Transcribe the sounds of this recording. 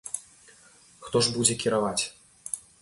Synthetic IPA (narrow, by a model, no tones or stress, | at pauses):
xt̪ɔʐbud͡zʲɛkʲiɾavat͡sʲ